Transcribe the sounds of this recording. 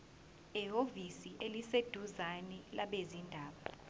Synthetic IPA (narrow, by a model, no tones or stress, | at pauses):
iɦovisiʔelised̥ʱuzanɛlaɓezindʱaːɓa